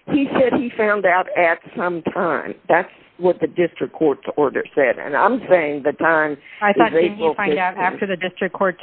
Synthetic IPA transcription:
hisɛd̚ifãʊ̃ndaʊɾɨtsʌ̃mtʰãɪ̃mðæts | wʌt̪̚ðɨdɪstɹ̥ɨkʰːɔɹtsɔɹɾə̰˞sɛɾɨ̰̃nã̰ɪ̃mseɪɪ̃ŋðɨtʰãɪ̃maɪθɔðeɪɹofãdaʊɾæftə˞ðɨdɪstɹ̥ɨkkʰɔɹts

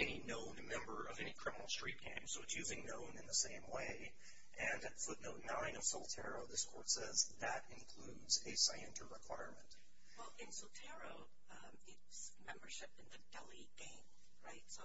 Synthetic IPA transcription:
ɛninõʊ̃nmɛ̃mbə˞ʔʌvɛnikʰɹ̥ɪ̃mənl̩ˠstɹ̥it̚ɡ̥ʰæ̰̃ɪ̃msoʊɨtsjʉzɪ̃ŋnõʊ̃nɨ̃nðəsẽɪ̃mweɪ | ʔɨ̃nɨt̚fʊtⁿnoʊtⁿnãɪ̃nʌv̥sɔl̩ˠtʰɛɹoʊðɪskʰɔ̰ɹtsɛzðɨɾɨ̃nkʰl̥udzɨsaɪɨ̃ntʰə˞ɹɨkʰw̥a̰ɪəɹmɨ̃nt̚ | wɛlˠɪ̃nsɔl̩ˠtʰɛɹoʊ | ɪts | mɛ̃mbə˞ʃɪpɨ̃nðɨdɛlˠiɡ̥ẽɪ̃m | ɹaɪtsoʊ

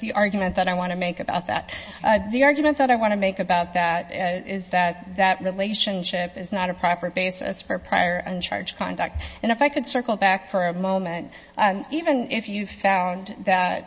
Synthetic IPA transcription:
ðiʔɑɹɡjmɨ̃nðəɾaɪwɑ̃ɾ̃ɨmeɪkɨba̰ʊt̪̚ðæ̰t̪̚ | ðiɑɹɡjmɨ̃nðəɾaɪwɑ̃ɾ̃ɨmeɪkɨbaʊt̪̚ðæɾɪzðɨt̪̚ðɨt̚ɹileɪʃɨ̃nʃɪpɨznəɾɨpʰɹ̥ɑpə˞beɪsɨ̰sfə˞pʰɹ̥a̰ɪə˞ʔʌ̰̃nt͡ʃʰɑ̰ɹ̥ʒ̥kʰɑ̰̃ndɨk̚tɨ̃ñɨfaɪkʰɨd̥sɜ˞kl̩ˠbækfə˞ɨmõʊ̃mɨ̃nt̚ | ivɨ̃nɪfjʉv̥fãʊ̃nðɨt̚

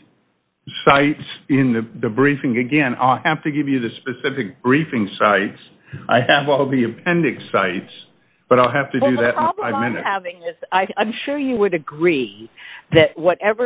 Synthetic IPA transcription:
saɪtsɪ̃nðɨðɨbɹifɪ̃ŋɨɡɛ̃na̰ɪlˠhæftɨɡɪvjɨðɨspɨsɪfɨk̚b̥ɹifɪ̃ŋsaɪts | ʔaɪɨvɔlˠðiɨpʰɛ̃ndɨksaɪts | b̥ʌɾaɪlˠɦæftɨdɨðɨɾɹn̩ɑflaɪvmɪ̃nɨ̰hævɪ̃ŋɪz̥aɪãɪ̃mʃʊɹjɨwɨɾɨɡɹi | ðɨt̚wʌɾɛvə˞

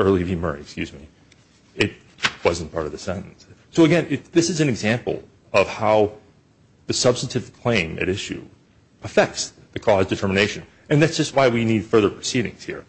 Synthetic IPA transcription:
ɜ˞lˠivimɜ̰˞ɪ̰kskjʉzmi | ɪɾ̚ | wʌzn̩pʰɑɹɾʌvðɨsɛ̃ñn̩sː | oʊɨɡɛ̃nɪðɪsɨzɨ̃nɨɡzæ̃mpl̩ˠ | ʌv̥haʊ | ðɨsʌbstn̩tʰɨvkʰl̥ẽɪ̃mɨ̰ɾɪʃʉ̰ | əfɛk̚ts | ðɨkʰɔzdɨtʰɜ˞mɨneɪʃɨ̃n | ɨ̃nðætsd̥ʒ̥ʌst̚waɪwinid̥fɜ˞ðə˞pʰɹ̥ɨsiɾɪ̰̃ŋz̥hḭɹ

